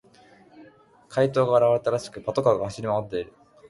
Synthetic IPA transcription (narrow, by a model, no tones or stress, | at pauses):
kʰait̪o̞ːɡaːɾaβɾe̞t̪aɾaɕi̥kɯ̟pat̪o̞kaɡahaɕiɾʲimamot̪ːe̞iɾɯ̟